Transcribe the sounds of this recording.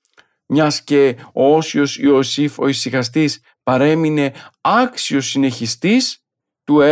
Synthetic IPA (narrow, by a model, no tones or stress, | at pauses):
mɲɐsce̞oo̞sio̞sio̞sifo̞̰isiɣɐst̪is | pɐɾe̞mine̞ɐksio̞sine̞çist̪is | t̪ue